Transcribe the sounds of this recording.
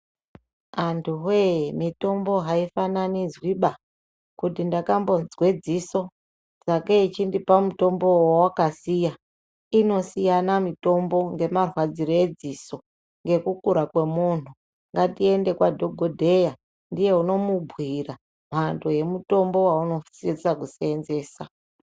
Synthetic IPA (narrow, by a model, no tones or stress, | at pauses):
antʰuɦejmito̞mbo̞ɦaifananizwiɓa | kutindakambo̞nzwed͡ziso̞ | d͡zakeit͡ʃindipamuto̞mbo̞wowakasija | ino̞sijanamito̞mbo̞ŋɡe̞marwad͡ziɾoe̞d͡ziso̞ | ŋɡe̞kukuɾakwe̞mun̤u | ŋɡatie̞nde̞kwadʱo̞ɡʱodʱe̞ja | ndije̞uno̞mubʱwira | m̤antʰoje̞muto̞mbo̞wauno̞fsisakusienze̞ːsa